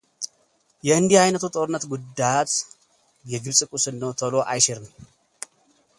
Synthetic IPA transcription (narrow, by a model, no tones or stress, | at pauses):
jɛɨnd̪ihajnət̪ʰut̪ʼo̞ɾɨnːət̪ɡud̪ːajat̪ | jɛɡɨβsʼɨkʼusɨnːəwt̪ʰəlo̞ʔajʃɛɾɨn